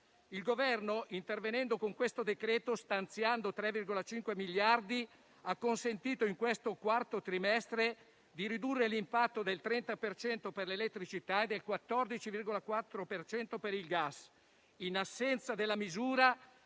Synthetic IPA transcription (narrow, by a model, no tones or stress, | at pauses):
ilɡovɛrnoʔint̪ervenɛnd̪okoŋkwest̪od̪ekɾɛːt̪ost̪ant̪sjand̪ot̪ɾɛvːirɡolat͡ʃiŋkwemiljard̪i | akːonsent̪iːt̪oiŋkwest̪okwart̪ot̪ɾimɛst̪ɾe | d̪iɾid̪urːelimpat̪ːod̪elt̪ɾɛnt̪apert͡ʃɛnt̪operlelet̪ːɾit͡ʃit̪aed̪ːelkwat̪ːɔrd̪it͡ʃivirɡolakwat̪ːɾopert͡ʃɛnt̪opeɾilɡas | inasːɛnt̪sad̪elːamizuːɾa